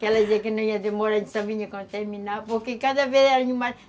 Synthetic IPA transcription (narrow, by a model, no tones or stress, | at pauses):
kɛlɐd̪izekɪnɐ̃w̃iɐd̪emɔɾɐẽnt̪sɐ̃viɲɐkõnt̪ɛɾminapoɾkekaðɐveðɛɾɐɲũma